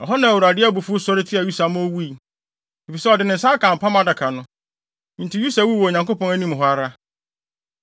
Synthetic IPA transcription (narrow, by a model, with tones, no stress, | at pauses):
ɔ˨ɦɔ˦nã˨wu˨ɾa˨dɪ˦æ˦bu˨fʊ˦sɔ˦ɾɪ˦tʰi˦a˨ju˦sa˨mʊ̃˦o˦wu˦i˨ | e˨fi˨sɛ˦ɔ˨dɪ˨nɪ̃˨sa˦kʰã˨m̩˨pʰã˦mã˦da˨kʰa˨nʊ̃˦ | n̩˨tʰɪ˨ju˦sa˨wu˦wo˨ɲã˨ŋko˦pɔ̃˨næ˦nĩ˦m˨ɦɔ˦a˦ɾa˦